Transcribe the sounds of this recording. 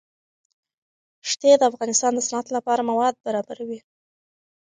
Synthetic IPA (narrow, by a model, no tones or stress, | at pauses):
ʂt̪ed̪əafɣɑnɪst̪ɑnd̪əsanat̪lapɑɾamawɑd̪̚baɾɑbaɾawi